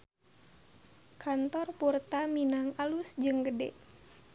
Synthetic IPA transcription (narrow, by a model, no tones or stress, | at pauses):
kʰant̪ɔrpurt̪aminaŋalusd͡ʒɨŋɡədɛ̰ʔ